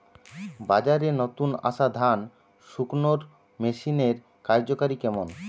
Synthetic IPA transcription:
bad͡ʑaɾenot̪una̰ʃad̪ʱan | ʃuknoɾ | meʃineɾ | kaɾd͡ʑokaɾikɛmon

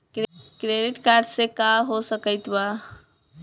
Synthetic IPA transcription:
kɾkɾeɖiʈkaɾɖsekaɦosəkəjt̪ba

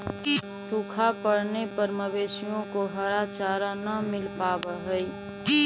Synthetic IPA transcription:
sukʰapəɽnepəɾməbeːʃijõkoɦəɾat͡ʃaːɾanəmɪlpabəɦəi

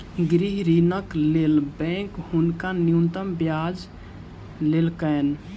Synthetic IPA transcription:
ɡɾiɦɾinəklelbɛ̃khʊnkanijunt̪əmbjad͡ʒ | lelkən

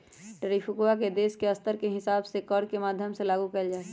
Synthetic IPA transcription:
ʈəɾifʰʊkːaked̪eːskeɐst̪əɾkeɦɪsaːbsekɔɾkemaːd̪ʱjəmselaːɡukɐld͡ʒaːe

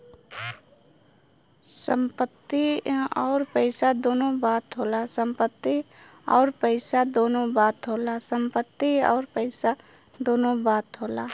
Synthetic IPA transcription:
sə̰̃mpət̪ːiɔːɾpəɪsad̪oːnõbaːt̪ɦoːlasə̃mpət̪ːi | ɔːɾpəɪsad̪oːnõbaːt̪ɦoːlasə̃mpət̪ːiɔ̰ːɾpəɪsa | d̪oːnõbaːt̪ɦoːlaː

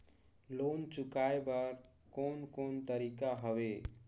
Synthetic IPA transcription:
lont͡ʃukaebəɾ | konkont̪əɾikaɦəʋe

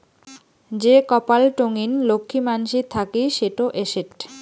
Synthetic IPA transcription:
d͡ʑekɔpalʈoŋinlokʰːimanʃit̪ʰakiʃeʈoʔeʃeʈ

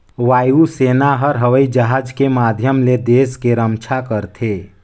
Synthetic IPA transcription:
ʋaːjuseːnaɦəɾɦəʋəid͡ʒəɦad͡ʒkemad̪ʱjəmled̪eːskeɾəmt͡ʃʰakəɾt̪ʰe

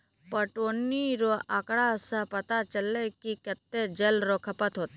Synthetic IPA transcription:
pəʈoːniɾoʔaːkɽasãpɐt̪at͡ʃəlːekikət̪ːed͡ʒɐlɾokʰəpət̪ɦoːt̪

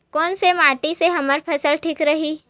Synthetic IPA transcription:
kɔːnsemaːʈiseɦɐməɾpʰɐsəlʈʰiːkɾɐɦiː

